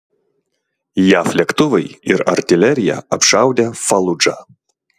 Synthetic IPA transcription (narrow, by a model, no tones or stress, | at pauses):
jaflʲɛkt̪uvɨjiɾɐ̰rtʲɪlʲɛɾʲja̰ɐpʂawdʲɛfɐlˠud͡ʒa̰